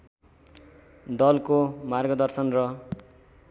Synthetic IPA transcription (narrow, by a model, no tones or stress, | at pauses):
d̪ʌlkomarɡʌd̪ʌrsʌnrʌ